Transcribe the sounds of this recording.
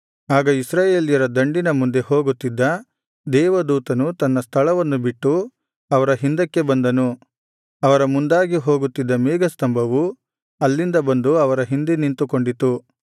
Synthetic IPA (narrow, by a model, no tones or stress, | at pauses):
aːɡɐisɾaːjeːlijɐɾɐd̪ɐɳɖinɐmund̪e̞ho̞ːɡut̪ːid̪ːɐ | d̪ɛːʋɐd̪uːt̪ɐnut̪ɐnːɐst̪ʰɐɭɐʋɐnːubiʈːu | ɐʋɐɾɐɦind̪ɐkːe̞bɐnd̪ɐnu | ɐʋɐɾɐmund̪aːɡiɦo̞ːɡut̪ːid̪ːɐmiːɡɐst̪ɐmbʱɐʋu | ɐlːind̪ɐbɐnd̪uɐʋɐɾɐɦind̪inint̪uko̞ɳɖit̪u